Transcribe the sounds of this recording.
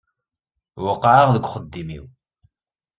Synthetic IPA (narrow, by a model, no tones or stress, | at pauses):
wəqːʕəʁðəɡʷχəd̪ːimḭw